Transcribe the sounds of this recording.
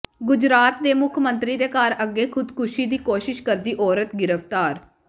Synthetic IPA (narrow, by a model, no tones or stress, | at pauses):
ɡʊd͡ʒɾaːt̪̚d̪eːmʊkʰmənt̪ɾiːd̪eːkaːɾəɡːeːkʰʊd̪kʰʊʃiːd̪iːkoːʃɪʃkəɾd̪iːʔɔːɾət̪ɡɪɾəpt̪aːɾ